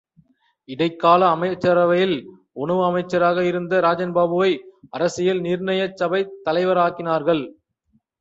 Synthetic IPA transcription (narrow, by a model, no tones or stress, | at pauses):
ɪɽɐɪkːaːlɐːmɐɪt͡ʃːɐɾɐʋɐjɪl | ɔɳɐʋɯɐmɐɪt͡ʃːɐɾaːɣɐɪɾɯnd̪ɐɾaːd͡ʒɐnbaːbɯʋɐɪɐɾɐsɪjɪlnɪɾɳɐjɐt͡ʃːɐbɐɪt̪ːɐlɐɪʋɐɾaːkɪnaːɾɣɐɭ